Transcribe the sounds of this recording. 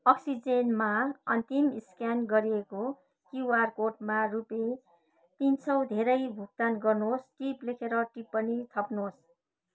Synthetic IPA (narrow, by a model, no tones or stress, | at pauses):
ʌksid͡zenmaʌnt̪imiskjanɡʌɾieko | kiarkoʈmarupe | t̪int͡sʰʌwd̪ʱeɾʌjbʱuk̚t̪anɡʌrnuɦosʈiplekʰeɾʌʈipːʌnit̪ʰʌpnɦos